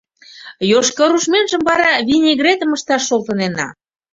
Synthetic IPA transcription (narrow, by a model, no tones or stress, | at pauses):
joʃkəɾuʃmenʒə̆mbɑɾɑβinʲeɣret̪ə̆məʃt̪ɑʃːolt̪ənenɑ̰